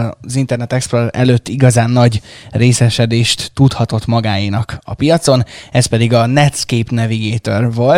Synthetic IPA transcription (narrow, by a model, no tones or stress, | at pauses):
zint̪ɛrnɛt̪ɛksproɛ̰løːt̪ːiɡɒzaːnːɒɟreːsɛʃɛd̪eːʃt̪ːut̪hɒt̪o̞t̪mɒɡaːjinɒkɒ̰pijɒt̪so̞nɛspɛd̪iɡɒnɛt̪skeːpnɛviɡeːt̪orvol